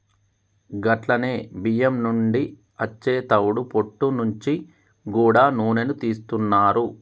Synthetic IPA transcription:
ɡɐʈlɐneːbijɐmnuɳɖi | ɐt͡ʃːe̞ːt̪ɐwuɽupo̞ʈːunuɲt͡ʃi | ɡuːɽaːnuːne̞nut̪iːst̪unːaːɾu

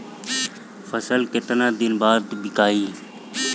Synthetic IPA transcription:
fʰəsəlkɪt̪nãːd̪ɪnbaːd̪bɪkaːiː

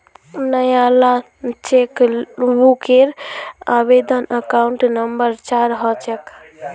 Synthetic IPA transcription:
nəjala | t͡ʃekbukeɾabed̪ənəkauɳʈnəmbəɾt͡ʃaɾɦɔt͡ʃɛk

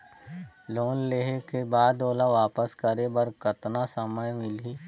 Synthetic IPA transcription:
loːnleɦekebaːd̪oːlaʋaːpəskəɾebəɾkɐt̪nasəməjmɪliː

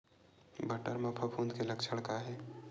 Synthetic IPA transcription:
bəʈəɾmapʰəpʰuːnd̪keləkt͡ʃʰəɽkaɦɛː

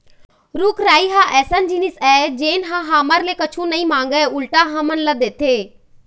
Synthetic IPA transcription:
ɾʊkɾaːiɦãʔɛːsənd͡ʒiːnɪsɛːd͡ʒeːnɦãɦaːməɾlekət͡ʃʰũnɐĩmãːŋɡəʊlʈaɦãmənləd̪eːt̪ʰeː

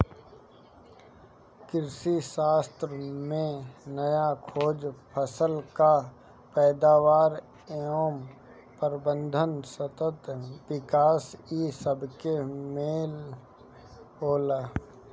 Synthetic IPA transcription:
kɪɾsiʃaːst̪ɾəmẽnəjakʰoːd͡ʒpʰəsəlka | pɛːd̪aːʋaːɾ | eoːm | pəɾbə̃nd̪ʱənsət̪ət̪ʋɪkaːsisəbkemeːl | ɦoːlaː

